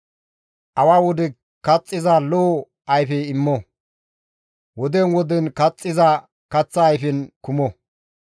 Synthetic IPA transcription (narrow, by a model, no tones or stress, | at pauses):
ʔɐwaːwɔd̪ɪ | kɐt͡sʼːɪzaloː | ɐjfɛɪmːɔ | wɔd̪enwɔd̪ɛnkɐt͡sʼːɪza | kɐt͡sːɐːjfɛnkʊmɔ